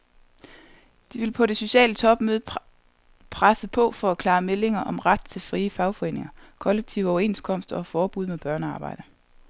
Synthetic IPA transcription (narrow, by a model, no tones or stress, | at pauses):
d̥iʋe̝lpʰɒ̽ɾe̝so̝ɕɛ̰ːlət͡sʰɒ̽b̥møð̞ˠ | pʰʁasəpʰɒ̽fɒ̽ækʰlɑ̈ːmele̝ŋɐʔɒ̽mʁad̥t͡sʰe̝lfʁiːəfɑ̈ʊfɒ̽e̝̰ːne̝ŋɐkʰɒ̽leɡ̥̚t͡sʰiʊəɒʊɐe̝nskʰɒ̽m̰sd̥ɐɒ̽fɒːb̥uð̞̰ˠmeb̥ɶɐnəɑ̈ːb̥ɑ̈ɪ̰d̥ə